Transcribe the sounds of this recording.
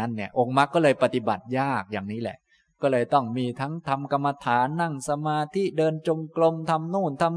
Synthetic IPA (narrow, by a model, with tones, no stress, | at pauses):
a˦˥nːi˥˩ɐʔo˧ŋma˦˥kːɔː˥˩lɤː˧jpa˧t̪i˨˩ba̰˨˩t̪̚jaː˥˩k̚jaː˨˩ŋniː˦˥lɛ̰˨˩ʔ | kɔː˥˩lɤː˧jt̪ɔ˥˩ŋmiː˧t̪ʰa˦˥ŋt̪ʰa˧mka˧mːa˧t̪ʰaː˩˦nːa˥˩ŋsa˧maː˧t̪ʰi˦˥dɤː˧nt͡ɕo˧mklo˧mt̪ʰa˧mnuː˥˩nt̪ʰa˧m